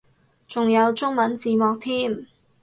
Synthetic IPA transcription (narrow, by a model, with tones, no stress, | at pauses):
t͡sʊ˨ŋjɐ˨˧wt͡sʊ˥ŋmɐ˨˥nt͡siː˨˧mɔː˨k̚t̪ʰiː˥m